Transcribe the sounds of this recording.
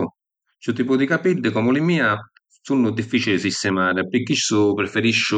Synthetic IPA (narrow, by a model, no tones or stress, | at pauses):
t͡ʃut̪iːpʊd̪ikapilːɪkɔːmʊlɪmiːa | sunːʊd̪ifːiːt͡ʃilɪsist̪ɛmaːɾɪpɪkːisʊpɾɪfeɾiʃːʊ